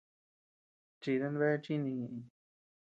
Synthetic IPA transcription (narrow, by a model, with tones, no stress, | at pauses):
t͡ʃi˧ðe˧nβe˦t͡ʃi˦nĩ˧ɲĩ˧ʔĩ˧